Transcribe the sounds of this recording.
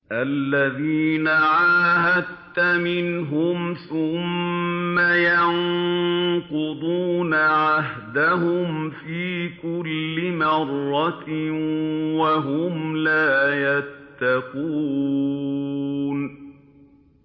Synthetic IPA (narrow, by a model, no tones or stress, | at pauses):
ʔalːaðiːnaʕaːhad̪t̪ːamɪnɦʊmθʊmː | ajaŋ | qʊd̪ˤuːnaʕaɦd̪aɦʊmfiːkʊlːɪmɑrˤːɑ | waɦʊmlaːjat̪ːɑquː | n